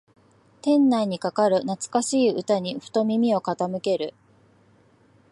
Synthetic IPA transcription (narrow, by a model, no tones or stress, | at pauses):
t̪ẽ̞nːaiɲ̟ikakaɾɯ̟nat͡sɨ̥kaɕiːɯ̟t̪aɲ̟iɸɯ̟̥t̪o̞mʲimʲio̞kat̪amɯ̟ke̞ɾɯ̟